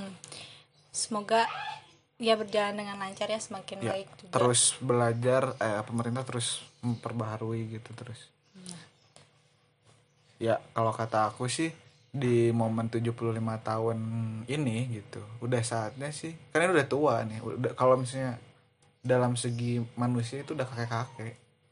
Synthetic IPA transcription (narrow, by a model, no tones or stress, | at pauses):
səmoɡa | jabərd͡ʒalandəŋanlaɲt͡ʃarjasəmakɪnjbaaɪk̚d͡ʒuəɾʊsbəlad͡ʒarəpəməɾint̪aht̪əɾʊsməpərbaɦaɾuiɡit̪ut̪əɾʊs | jakalokat̪aːkusɪh | dimomənt̪ud͡ʒuhpuluhlimat̪aʊninɪɡit̪uudahsaːt̪̚ɲasɪhkarnainudaht̪uanɪṵdakalomis̬aɲa | dalamsəɡimanus̬iait̪uːdahkakekakɛʔ